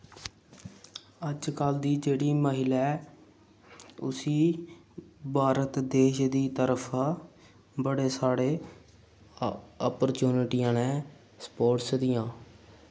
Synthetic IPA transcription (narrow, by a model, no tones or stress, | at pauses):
əd͡ʒkəld̪iːd͡ʒeːɽiːməɦɪlɛː | ʊsiː | bʱaːɾət̪d̪eːʃd̪iːt̪əɾəpʰː | bəɽeːsaːɽeː | ɔːpəɾt͡ʃuːnɪʈiːjãːneː | spoːʈsd̪ɪjãː